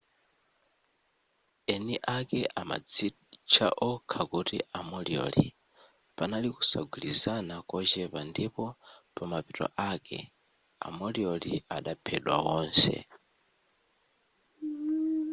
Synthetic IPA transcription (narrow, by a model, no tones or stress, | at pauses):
ɛniʔakɛʔama̰d͡zi | t͡ʃʰaʔɔkʰakutiʔamɔliɔ̰li | panaliku̥sa̰ɡwilizanakɔt͡ʃɛpandipɔpamapitɔ̰ʔakɛ̰ | a̰mɔliɔliaɗapʰɛɗwa̰wɔːnsɛ̰